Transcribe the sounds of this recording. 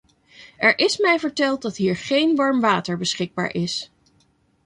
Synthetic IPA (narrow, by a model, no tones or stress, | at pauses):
ɛɹʔɪsmɛjvəɹtɛlˠt̚dɑtɦiːɹχejnʋɑɹmʋaːtəɹbəsχɪɡ̚ba̰ːɹʔɪs